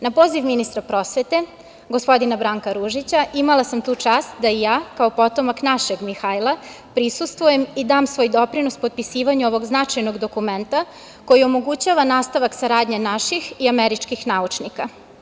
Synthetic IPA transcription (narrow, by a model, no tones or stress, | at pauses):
napo̞ːziʋminist̪ɾapɾo̞sʋe̞t̪e̞ | ɡo̞spo̞d̪inabɾaːŋkaɾuʒit͡ɕaʔimalasamt̪uːt͡ʂaːst̪̚d̪aijaːkao̞po̞t̪o̞maknaʃeɡmixajlˠa | pɾisust̪ʋujemid̪aːmsʋo̞jd̪o̞pɾino̞spo̞d̪̚pisiːʋaɲuo̞ʋo̞ɡznat͡ʃajno̞ɡd̪o̞kume̞nt̪a | ko̞jiomo̞ɡut͡ɕaːʋanaːst̪aʋaksaɾaːd̪ɲenaʃixiameɾit͡ʃkixnaut͡ʃnika